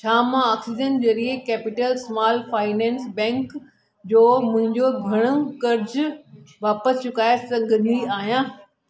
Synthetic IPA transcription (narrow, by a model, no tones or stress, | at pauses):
t͡ɕʰaːmãaːksiːd͡ʒẽnzɐɾiekeːpɪʈəlsmaːlfaːɪnɛ̃ːnsbɛ̃ːŋk | d͡ʑoːmʊ̃ɦɪ̃ɲd͡ʑoɡʱɐɽ̃ʊ̆kɐɾd͡ʑʋaːpəst͡ɕʊkaːesɐ̃ɡʱɐniaːɦijãː